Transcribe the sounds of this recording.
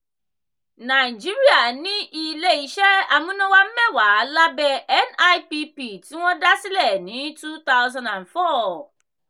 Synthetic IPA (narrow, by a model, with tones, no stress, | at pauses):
na˨ɪ˨d͡ʒi˦ɾi˦a˨nɪ̃˦ʔi˨le˦i˨ʃɛ˦a˨mũ˦nã˦wa˦m̩˦mɛ̃˦waː˨˦la˦bɛ˦ɛ˦na˦jpi˦pi˨tʰĩ˦wɔ̃˦da˦sɪ˦lɛ˨nĩ˨˦tu˦t̪a˦ʊzã˦nã˨nfɔ˦